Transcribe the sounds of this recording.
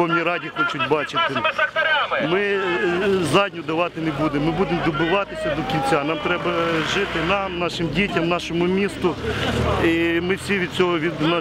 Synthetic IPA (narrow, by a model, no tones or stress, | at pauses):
ɔwnʲijɾɑdʲixɔt͡ʃʊtʲbɑt͡ʃɪt̪ɪ | mɪ | zɑdʲnʲʊd̪ɐʋɑt̪ɪnebud̪emːɪbud̪ɪmd̪ɔbʊʋɑt̪ɪsʲɐd̪ɔkʲint͡sʲanɑmt̪ɾɛbɐʒɪt̪ɪnɑmnɑʃɪmdʲitʲɐmnɑʃɔmʊmʲist̪ʊ | imɪwsʲiʋʲid̪̚t͡sʲɔɦɔʋʲid̪n